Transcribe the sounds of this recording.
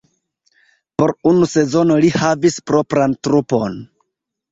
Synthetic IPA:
po̞ɾunuse̞zo̞no̞lihavispɾo̞pɾantɾupo̞n

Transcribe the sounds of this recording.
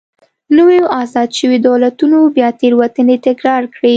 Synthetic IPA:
nəwejoʔɑzɑd̪ʃəwid̪alat̪unobjɑt̪eɾwat̪ənet̪ɪkɾɑɾkɽi

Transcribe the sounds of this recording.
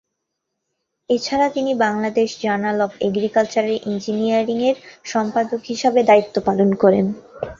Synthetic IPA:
et͡ɕʰaɾat̪inibaŋlad̪eʃd͡ʑaɾnalɔbḛɡɾikalt͡ɕaɾeɾʔind͡ʑiniaɾiŋeɾʃɔmpad̪okɦiʃabed̪ait̪ːopalonkɔɾen

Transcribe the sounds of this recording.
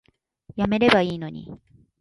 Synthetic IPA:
jame̞ɾe̞baiːno̞ɲḭ

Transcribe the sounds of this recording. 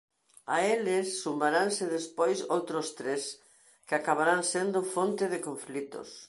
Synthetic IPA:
aelɪsːumbaɾansɪðespojsowt̪ɾʊst̪ɾes | kɪakaβaɾansend̪ʊfont̪ɪðɪkoɱflit̪ʊ̰s

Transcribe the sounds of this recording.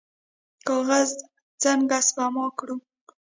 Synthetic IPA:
kɑɣaz | d͡zaŋɡasbamɑkɽu

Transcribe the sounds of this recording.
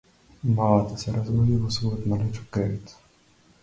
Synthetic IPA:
malˠat̪əsɛɾazɡod̪ivosvɔjot̪malɛt͡ʃo̥kɾɛvit̪

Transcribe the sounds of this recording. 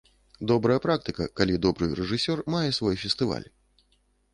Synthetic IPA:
d̪ɔbɾɐjɐpɾak̚t̪ɨkɐkalʲid̪ɔbɾɨ̰ɾɛʐɨsʲɔrmajɛsvɔjfʲɛst̪ɨva̰lʲ

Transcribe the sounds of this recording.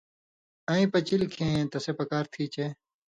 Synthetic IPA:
ãːĩːpɐt͡ɕilkʰẽːẽːt̪ɐseːpɐkaːɾt̪ʰiːt͡ɕeː

